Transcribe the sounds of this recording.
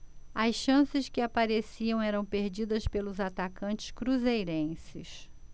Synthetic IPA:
ɐsʃɐ̃sɪskɪapaɾesiɐ̃w̃ɛɾɐ̃w̃peɾd͡ʒid̪ɐspelʊzat̪akɐ̃nt͡ʃɪ̥skɾuzejɾẽsɪs

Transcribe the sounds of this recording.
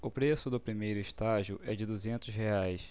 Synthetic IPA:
ʊpɾesʊd̪ʊpɾimejɾʊɪʃt̪aʒiʊʔɛd͡ʒɪd̪uzẽnt̪ʊsɦeajs

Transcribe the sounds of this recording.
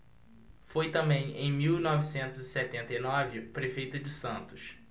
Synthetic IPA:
fojt̪ɐ̃mbẽj̃ḛ̃j̃miwnɔvisẽnt̪ʊzɪsɛt̪ẽnt̪ɐjnɔvɪpɾefejt̪ʊd͡ʒɪsɐ̃nt̪ʊʃ

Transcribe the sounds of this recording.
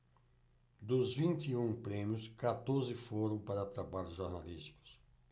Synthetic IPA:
d̪ʊzvĩnt̪iũpɾẽmjʊskat̪oɾzɪfoɾɐ̃w̃paɾɐt̪ɾabaʎʊzʒoɾnalist͡ʃi̥kʊ̥s

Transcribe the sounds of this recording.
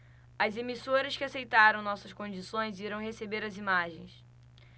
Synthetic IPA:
ɐzemisoɾɐskɪasejt̪aɾɐ̃w̃nɔsɐskõd͡ʒisõj̃ziɾɐ̃w̃ɦesebeɾɐzimaʒḛ̃j̃s

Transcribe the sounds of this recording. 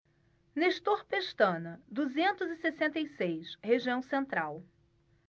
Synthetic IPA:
neʃt̪oɾpeʃt̪ɐ̃nɐd̪uzẽnt̪ʊzɪsesẽnt̪ejsejsheʒiɐ̃w̃sẽnt̪ɾaw

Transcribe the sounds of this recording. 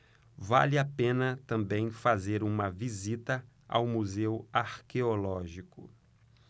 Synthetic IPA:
va̰lɪapẽnɐt̪ɐ̃mbẽj̃fazeɾũmɐvizit̪ɐ | a̰wmuzewaɾkeolɔʒikʊ̰

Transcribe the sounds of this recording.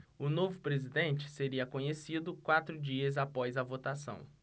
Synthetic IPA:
ʊnovʊpɾezid̪ẽnt͡ʃɪ̥seɾiɐkõɲesid̪ʊkwat̪ɾʊd͡ʒiɐzapɔzɐvot̪asɐ̰̃w̃

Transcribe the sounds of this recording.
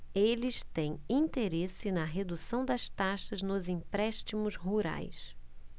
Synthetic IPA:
elɪst̪ẽj̃ĩnt̪eɾesɪnɐɦed̪usɐ̃w̃d̪ɐst̪aʃɐznʊzĩpɾɛʃt͡ʃimʊzɦuɾa̰js

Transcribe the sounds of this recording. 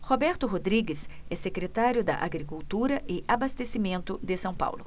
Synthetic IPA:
hobɛɾt̪ʊɦod̪ɾiɡɪsɛsekɾet̪aɾjʊd̪ɐ̰ʔa̰ɡɾikuwt̪uɾɐʔɪʔabast̪esimẽnt̪ʊd̪ɪsɐ̃w̃pa̰wlʊ̰

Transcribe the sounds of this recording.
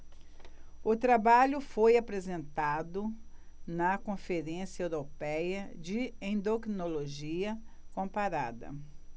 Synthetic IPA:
ʊt̪ɾabaʎʊfojapɾezẽnt̪ad̪ʊnɐkõfeɾẽsjɐewɾopɛjɐd͡ʒɪẽd̪okɾinoloʒiɐkõpaɾa̰d̪ɐ̰

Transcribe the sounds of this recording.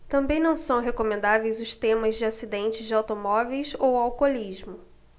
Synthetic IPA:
t̪ɐ̃mbẽj̃nɐ̃w̃sɐ̃w̃ɦekomẽnd̪avejzʊst̪ẽmɐzd͡ʒɪasid̪ẽnt͡ʃɪzd͡ʒɪawt̪omɔvejsowawkolizmʊ

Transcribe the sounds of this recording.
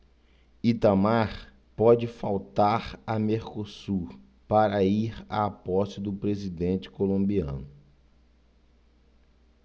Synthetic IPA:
it̪amaɾ | pɔd͡ʒɪfawt̪aɾɐmeɾkosuɾ | paɾɐiɾa̰apɔst͡ʃɪd̪ʊpɾezid̪ẽnt͡ʃɪ̥kolõmbiɐ̰̃nʊ

